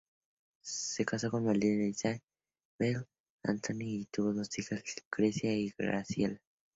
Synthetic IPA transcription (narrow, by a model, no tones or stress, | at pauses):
sekasokonmalinesa | bel | a̰nt̪ʰoniːt̪uβoðost̪ixaɡ̥ɾesjaiɣɾa̰sjela